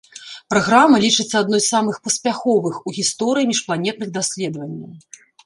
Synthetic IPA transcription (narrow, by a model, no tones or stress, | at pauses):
pɾaɣɾamɐlʲit͡ʂɨt̪sːɐad̪nɔjssamɨxpɐsʲpʲaxɔvɨxuɣʲist̪ɔɾɨjimʲiʂplˠanʲɛt̪̚nɨɣd̪asʲlʲɛd̪vɐnʲːɐw